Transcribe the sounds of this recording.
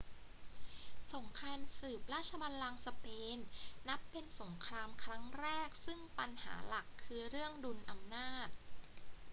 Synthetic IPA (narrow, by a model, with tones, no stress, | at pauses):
so˩˦ŋkʰɾaː˧nsɯː˨˩p̚ɾaː˥˩t̪̚t͡ɕʰa˧baː˧nlaː˧ŋsa˧peː˧nːa˦˥pːe˧nso˩˦ŋkʰɾaː˧mkʰɾa˦˥ŋɾɛː˥˩k̚sɯ˥˩ŋpa˧nha̰ː˩˦la˨˩kʰːɯː˧ɾɯ˥˩əŋdu˧nʔa˧mnaː˥˩t̪̚